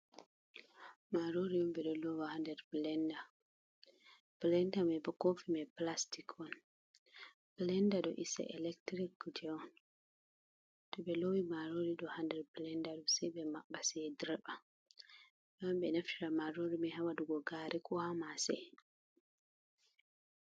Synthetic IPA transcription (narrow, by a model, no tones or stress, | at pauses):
maɾoɾiɔmbɛɗɔlɔwahandɛɾblɛnda | b̥lɛndamɛbɔkofimɛplastikʰɔn | b̥lɛndaɗɔ̰ʔisɛ̰ʔɛlɛktɾikːtʰɛɔn | tɔɓɛlowimaɾoɾiɗɔhandɛɾblɛndaɗɔsɛjɓɛmaɓasɛdɾba | mamɓɛnaftiɾamaɾoɾimɛhawaduɡɔɡaɾikʰɔhamasɛ̰